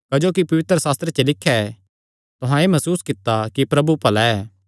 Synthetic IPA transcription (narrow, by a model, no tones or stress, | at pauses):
kɐd͡ʒoːkipɐʋɪt̪ɾəsaːst̪ɾet͡ʃelɪkʰːjaɛ | t̪ʊɦãeːmɐsuːskɪt̪ːakipɾɐbupɐlaɛː